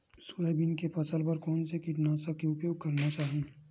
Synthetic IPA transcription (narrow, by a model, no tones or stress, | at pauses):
sʊɛbɪnkepɐsəlpɐɾkɔːnsekɪʈnaːsakeʊpjoːɡ̚kɐɾnat͡ʃaːɦẽː